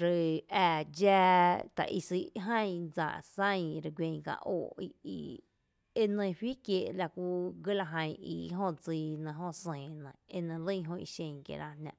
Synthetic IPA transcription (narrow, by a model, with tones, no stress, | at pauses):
ɾə˧æː˧˨d͡ʒaː˦˧t̪a̰˨ʔḭ˧˨si˧˦ʔɦə̃˦˨d͡za̰˨ʔsə̃˦˨ɾə˧ɡʷwẽ˧ŋ˧kã̰˧˨ʔoː˧˨i˧ḭ˧ | e˧nə̃˧ɸi˦kje˧˨ʔla˧kʷu˦ɡə˦la˧ɦə̃˧j̃ḭ˧˨˧ɦõ˦˨d͡ziː˧nã˧ɦõ˦sẽː˨nə̃˨e˧nə̃˧lə̃˦˧ɦõ˧ḭ˧ʃẽ˧˨kjḛ˧˨ɾa˧hnã˧ʔ